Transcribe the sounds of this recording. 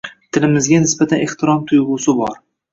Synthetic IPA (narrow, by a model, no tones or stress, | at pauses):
t̪ʰɪlɪmɪzɡʲanɪsbat̪ʰaneht̪ʰɪɾɒmt̪ʰʊjʁʊsɪbɒɾ